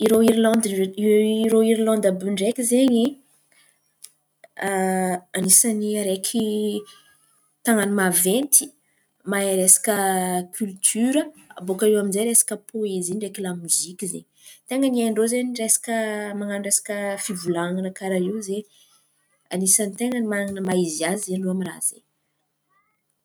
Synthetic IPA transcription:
iɾoiɾilɔnd̪ | ɾoiɾilɔ̃nd̪abyɳɖ͡ʐekʲizeɲi | anisaniaɾekʰi | t̪aŋanimavent̪i̥ | maɾesḁkəkʲʰylt̪ʰyɾəa̰bokaiwaminzeɾesḁkəpʰoezinɖ͡ʐekilamuzikʲizḛɲ | t̪eŋəniaɳɖ͡ʐozeniresḁkəmaŋanɖ͡ʐesḁkəfivulaŋanəkaɾaiwze | anisanit̪eŋənimaŋanəmaiziazzeɳɖ͡ʐoamira̰z̥e

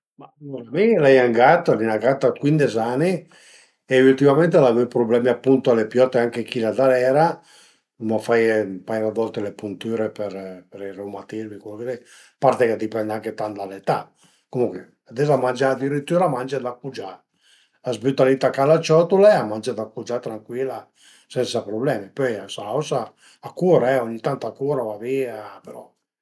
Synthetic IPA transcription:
maoɾamilɛjaŋɡat̪alinaɡat̪akwind̪ezani | eult̪imament̪elavipɾoblɛmiapːunt̪oalepjɔt̪ːeaŋkekilad̪aɾɛɾa | mafajmpajrad̪ɔlt̪elepunt̪yɾepeɾpeɾirewmat̪izmikolkezɛj | paɾt̪ekad̪ipɛnd̪aŋket̪and̪alet̪a | komuŋkwe | ad̪ɛzamand͡ʒaːd̪iɾit̪ːyːɾamand͡ʒad̪apːud͡ʒaː | zbyt̪ːalit̪akalat͡ʃɔt̪ulaamand͡ʒad̪akud͡ʒat̪ɾaŋkwila | sɛnsapɾoblɛmipɔjasaawsaː | kːuːɾaɛɔɲːit̪ant̪oakuːɾavaviːapeɾɔ

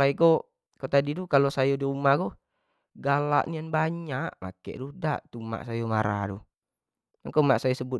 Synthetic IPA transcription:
aiko | kot̪adid̪ukalosajɔdiumakɔ | ɡala̰ʔnijanbaɲaʔma̰kɛ̰ʔduda̰ʔt̪uma̰ʔsajomaɾa̰du | maŋkomaʔsajɔsəbut̪

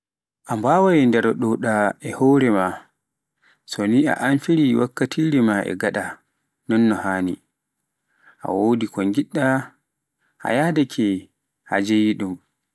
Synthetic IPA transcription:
ʔambawajɛndɛɾɔɗɔɗaɛhɔːɾɛma | sɔnia̰ʔanfiɾiwakːatʰiɾimaʔɛ̰ɡaɗa | nɔnːɔhaːnḭ | ʔa̰woːdikɔŋɡiɗːa | ʔa̰jadakʰɛ | ha̰d͡ʒejiɗum

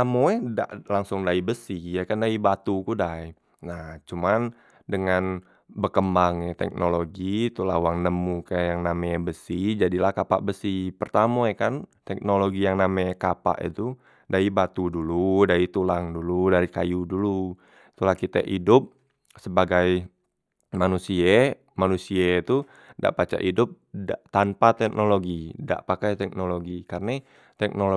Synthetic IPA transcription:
amoɛda̰ʔlaŋsʊŋdaibəsihjakandaibat̪ukudai | naht͡ʃuman | dəŋan | bərkəmbaŋjat̪ɛ̰k̚nʔoloɡit̪ulawaŋnəmukajaŋnamɛbəsihd͡ʒadilahkapa̰ʔbəsihpərt̪amoakant̪ɛk̚noloɡijaŋnamɛkapa̰ʔḭt̪u | daibat̪uduludait̪ulaŋduludaɾikajudulu | it̪ulahkit̪a̰ʔidʊp̚ | səbaɡaj | manusia | manusiait̪u | da̰ʔpat͡ʃa̰ʔidʊp̚dat̪anpat̪ɛk̚noloɡida̰ʔpakajt̪ɛk̚noloɡikarna | t̪ɛk̚nolo

